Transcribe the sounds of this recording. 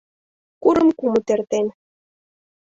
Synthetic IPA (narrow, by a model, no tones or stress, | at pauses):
kuɾə̆mkumut̪ert̪en